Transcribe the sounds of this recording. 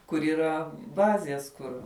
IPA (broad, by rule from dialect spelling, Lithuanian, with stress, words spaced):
kʊr iːˈrɐ ˈbɑːzʲeːs ˈkʊr